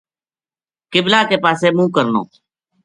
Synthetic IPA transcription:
kɪblaːkeːpaːseːmũːkəɾno̰ː

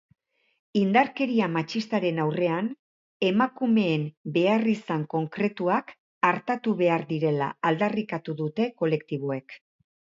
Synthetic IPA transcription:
ind̪aɾke̞ɾiamat͡ʃist̪aɾe̞nawre̞an | e̞makume̞ːmbe̞arisaŋko̞ŋkɾe̞t̪uak | aɾt̪at̪uβe̞aɾðiɾe̞la̰ald̪arikat̪uðut̪e̞ko̞le̞kt̪iβ̞oe̞k

